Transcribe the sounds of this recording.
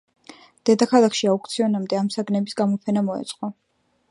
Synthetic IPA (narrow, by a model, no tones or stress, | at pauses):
d̪̥ɛd̪akʰalˠakʰʃiauk̚t̪sʰiɔnamd̪ɛamsaɡnɛbisɡamɔpʰɛnamɔɛ̰t̪sʼqʼɔ